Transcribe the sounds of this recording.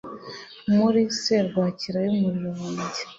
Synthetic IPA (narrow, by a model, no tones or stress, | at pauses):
muɾiseɾɡwaːciɾajomuɾiɾoːɲɟe